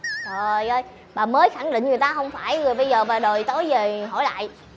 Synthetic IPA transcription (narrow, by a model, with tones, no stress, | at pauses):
ɔ˨˩jʔəː˧j | ɓaː˨˩məː˨˦jxa˧˩ŋɗḭ̈˧˨ŋ˨˩əjt̪aː˧ɦə˧wŋ͡mfaː˧˩jzo˨˩jɓə˧jzəː˨˩vaː˨˩ɗo˨˩jt̪o˨˦jzəː˨˩ɦɔ̰˧˩jla̰ː˧˨jʔ